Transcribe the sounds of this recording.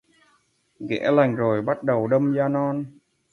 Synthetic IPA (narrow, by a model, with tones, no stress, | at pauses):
ɣɛ̰˧˥la˨˩jŋ̟zo˨˩jɓa˦˥t̚ɗə˨˩wɗə˧mzaː˧nɔ˧n